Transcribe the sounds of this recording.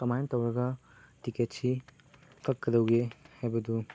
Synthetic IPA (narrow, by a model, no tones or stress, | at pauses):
kɐmajntɐwɾɐɡɐ | tiketsi | kɐkːɐdɐwɡehajbɐd̪u